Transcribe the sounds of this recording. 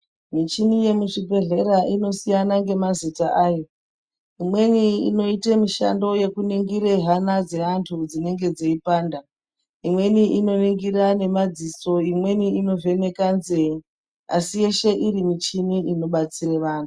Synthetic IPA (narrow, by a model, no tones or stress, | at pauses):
mit͡ʃinije̞muʂibe̞ɮe̞ɾaʔino̞sijanaŋɡe̞mazitaʔaːjo̞ | imwe̞niḭno̞itemiʃa̰ndo̞je̞kuniŋɡiɾe̞ɦanad͡ze̞antʰud͡zine̞ŋɡe̞d͡zeipaːnda | imwe̞niʔino̞niŋɡiɾane̞mad͡ziso̞imwe̞niino̞ve̞ne̞kanzei | a̰sije̞ʃe̞ʔiɾimit͡ʃiniino̞ɓat͡siɾeʋaːntʰu̥